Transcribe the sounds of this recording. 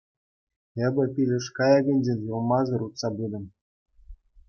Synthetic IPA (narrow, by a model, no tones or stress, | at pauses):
ĕbʲɘ̆pʲilʲɘ̆ʂkɑjɑɡɘ̆nʲd͡ʑenʲjulˠmɑzɤ̆ɾut̪sɑbud̪ɤ̆m